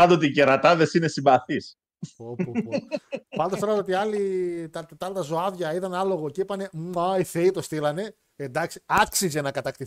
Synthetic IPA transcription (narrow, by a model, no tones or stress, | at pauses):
ɐnd̪ot̪iceɾɐt̪ɐðe̞sinesimbɐθis | opopɐnd̪ost̪oɐt̪ot̪iɐlit̪ɐt̪t̪ɐlnt̪ɐzoɐðʝɐiðɐnɐlo̞ɣo̞ceipɐne̞mɐiθeit̪o̞st̪ilɐne̞ | end̪ɐksiɐksizenɐkɐt̪ɐkt̪i